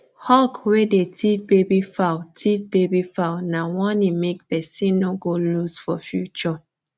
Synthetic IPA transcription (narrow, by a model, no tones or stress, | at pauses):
hɔkwedetʰibebifawtʰibebifawnawɔ̃nimek̚pɛsĩnnoɡolusfɔfjut͡ʃɔ